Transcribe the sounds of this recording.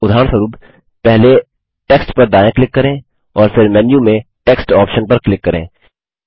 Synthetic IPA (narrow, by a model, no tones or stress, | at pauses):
ʊd̪ʱaːɾə̃ɳ̃səɾuːb | pɛɦle | ʈeːksʈpɐɾd̪aːjẽklɪkːɐɾẽː | ɔːɾfʰɪɾmɛːnjũmẽʈeːksʈɔːpʃənpɐɾklɪkːɐɾḛ̃ː